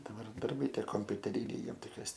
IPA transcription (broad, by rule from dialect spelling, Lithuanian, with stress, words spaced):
dɐˈbɐr dɐrˈbɐɪ ˈtʲiɛ koːmʲpʲʊtʲɛˈrʲiːnʲɛɪ ˈjiɛm ˈtɐɪ kɐs